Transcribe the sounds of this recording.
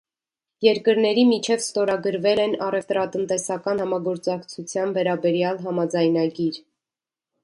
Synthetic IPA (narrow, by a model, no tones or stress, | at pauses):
jɛɾkəɾnɛɾimit͡ʃʰɛvst̪ɔɾɑɡəɾvɛlɛnɑrɛft̪ɾɑt̪ənt̪ɛsɑkɑnhɑmɑɡɔɾt͡sɑkt͡sʰut͡sʰjɑnvɛɾɑbɛɾjɑlɦɑmɑd͡zɑjnɑɡiɾ